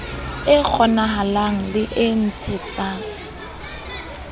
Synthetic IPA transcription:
ɪk͡xʰɔnaɦalaŋ̩lɪʔɪn̩t͡sʰɪt͡sʼa

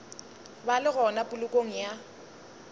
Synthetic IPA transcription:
balɪɣɔnapʼʊlʊkʼoŋ̩ja

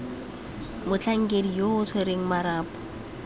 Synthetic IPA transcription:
mʊt͡ɬʰaŋ̩kʼedijoʊt͡sʰweɾeŋ̩maɾaːpʼɔ̥

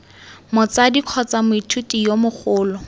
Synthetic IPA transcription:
mʊt͡sadiq͡χʰɔt͡samʊitʰutʼijomʊχʊːlɔ

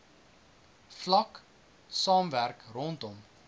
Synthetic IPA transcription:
flɐk | sɑːmværkrɔntɔm

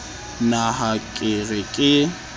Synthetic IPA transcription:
naɦakʼɪrɪkʼɪ

